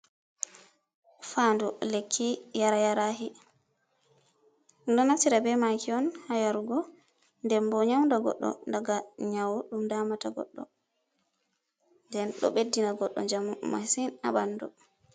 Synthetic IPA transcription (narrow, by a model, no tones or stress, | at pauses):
faːndɔlekʰːijaɾajaɾaɦi | ɗɔnaftiɾabɛmakʰiɔnhajaɾɡɔ | ndɛmbɔɲawndaɡɔ̰ɗːɔ̰ndaɡaɲawɗumdamataɡɔ̰ɗːɔ̰ | ndɛnɗɔ̰ɓedːinaɡɔɗːɔ̰ɲd͡ʒamma̰sina̰banːdɔ